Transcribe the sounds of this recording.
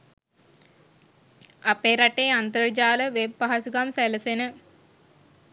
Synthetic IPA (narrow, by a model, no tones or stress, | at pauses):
apeːɾaʈeːant̪̬əɾd͡ʒaːləʋeb̚ːaɦasuɡamsɛləsenə